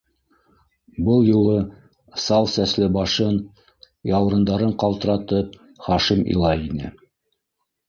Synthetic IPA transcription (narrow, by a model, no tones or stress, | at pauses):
bɤlˠjulˠɤ | sɑlˠsæslɘbɑʃɤn | jɑw̆ɾɤ̆nd̪ɑɾɤɴqɑlˠt̪ɤ̆ɾɑt̪ɤp̚ | χɑʃimḭlˠɑjinɘ̰